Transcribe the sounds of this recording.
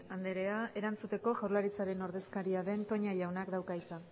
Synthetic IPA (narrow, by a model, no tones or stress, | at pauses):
and̪eɾe̞ae̞ɾant͡sut̪e̞ko̞ʝawɾlaɾit͡saɾe̞no̞ɾðe̞skaɾiaðe̞nt̪o̞ɲaʝawnakd̪awkajt͡sa